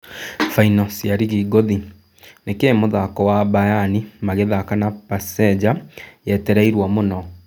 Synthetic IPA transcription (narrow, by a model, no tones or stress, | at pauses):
fainɔsiaɾiɣiːɡoði | nekemoðakɔwabajanimaɣeðakanapasɛd͡ʑajɛtɛɾaiɾwamonɔ